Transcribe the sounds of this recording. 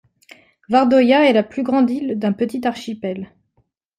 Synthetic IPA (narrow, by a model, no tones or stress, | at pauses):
vaʁd̪ɔjaɛlaplyɡʁɑ̃d̪ild̪ɛ̃pət̪it̪aʁʃipɛl